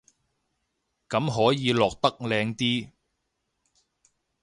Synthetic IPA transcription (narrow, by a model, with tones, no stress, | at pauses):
kɐ˨˥mɦɔː˨˥jiː˨˧lɔː˨k̚t̪ɐ˥k̚lɛː˧ŋt̪iː˥